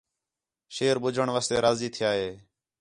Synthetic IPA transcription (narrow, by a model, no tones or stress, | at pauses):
ʃeːɾɓʊd͡ʒʱəɳʋaːst̪eːɾaːziːt̪ʰɪjaːɦeː